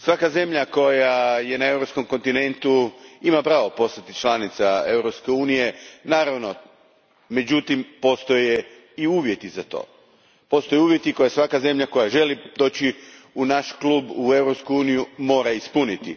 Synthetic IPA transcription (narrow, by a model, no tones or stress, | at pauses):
sʋakaze̞mʎako̞jaje̞nae̞wɾo̞psko̞mko̞nt̪ine̞nt̪uimapɾaːʋo̞po̞st̪at̪it͡ʃlˠanit̪sae̞wɾopske̞uːnije̞naːɾaʋno̞ | me̞d͡ʑut̪impo̞st̪o̞je | iuːʋje̞t̪izat̪o̰ː | po̞st̪ojeuːʋje̞t̪iko̞jasʋakaze̞mʎako̞jaʒe̞lid̪o̞ːt͡ɕi | unaʃkluːbue̞wɾo̞pskuuːnijumo̞ːɾaispunit̪i